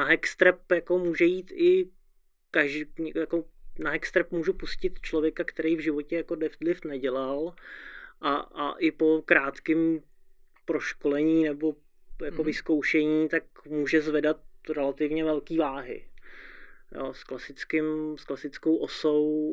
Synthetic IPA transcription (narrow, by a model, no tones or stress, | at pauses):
naɦɛkst̪ɾɛpjako̞muːʒɛjiːt̪ɪ | kaʒjakonaɦɛkst̪ɾɛpmuːʒupuscɪt̪t͡ʃlovjɛkakt̪ɛɾɛjvʒɪvo̞cɛjakodlɪfd̪lɪft̪nɛɟɛlal | ʔaa̰ʔɪpo̞kɾaːt̪kɪm | pɾoʃkolɛɲiːnɛbo̞ | jakovɪsko̞wʃɛɲiːt̪akmuːʒɛzvɛdat̪̚ɾɛlat̪ɪvɲɛvɛlkiːvaːɦɪ̰ | jo̰ːsklasɪt͡skɪmsklasɪt͡sko̞wʔosow